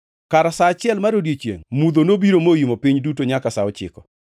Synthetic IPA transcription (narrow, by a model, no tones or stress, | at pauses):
kaɾasaːt͡ʃɪɛlmaɾodjet͡ʃjḛŋmud̪onobiɾomojimopiɲdutoɲakasaɔt͡ʃɪ̰kɔ̥